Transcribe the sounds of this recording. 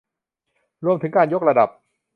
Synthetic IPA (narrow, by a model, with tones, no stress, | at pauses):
ɾu˧əmt̪ʰɯ˩˦ŋkaː˧njo˥k̚ɾa˧da˨˩p̚